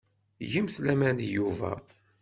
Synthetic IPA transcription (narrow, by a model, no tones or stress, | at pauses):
ʝəmθlæmænijuvæ̰